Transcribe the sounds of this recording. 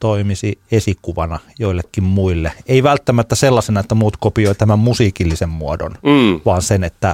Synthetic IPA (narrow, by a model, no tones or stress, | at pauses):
t̪oimisiesikuʋɑnɑjoilːekːimmuilːeeiʋælt̪ːæmæt̪ːæselːɑsenɑet̪ːæmuːt̪kopioit̪æmæmmusiːkilːisemmuodo̰nʋɑːnsenet̪ːæ